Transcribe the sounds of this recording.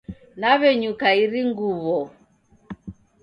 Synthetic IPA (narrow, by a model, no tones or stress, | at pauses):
naβɛɲukaiɾiŋɡuβɔ